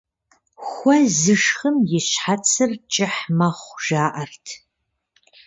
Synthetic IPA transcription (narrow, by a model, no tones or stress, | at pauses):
xʷɐzɨʂχəmjɪɕħat͡sʰɨrt͡ʃʼɪħmɐχʷʒaːʔɐrtʰ